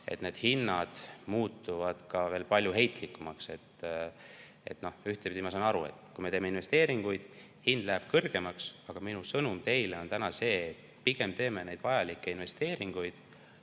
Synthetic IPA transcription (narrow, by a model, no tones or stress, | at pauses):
e̞̰t̪ne̞ːd̪̥hinːɑd̪̥muːt̪ːˑuvɑd̪̥kɑve̞ːlpɑlʲjuɦe̞jt̪ˑlikːˑumɑkse̞t̪ː | ḛt̪ːno̞hyht̪epid̪ʲimɑsɑnɑɾṵḛt̪ːˑkujmeeːmeinve̞st̪e̞ːɾiŋɡ̥ujd̪̥ | hind̪̥læɦeb̥̚kɤrɡ̥e̞mɑksɑɡ̥ɑminusɤnumt̪e̞jleo̞nt̪ænɑse̞ːt̪ | piɡ̥e̞mt̪e̞ːme̞ne̞jd̪̥vɑjɑlikːˑe̞inve̞st̪e̞ːɾiŋɡ̥ujd̪̥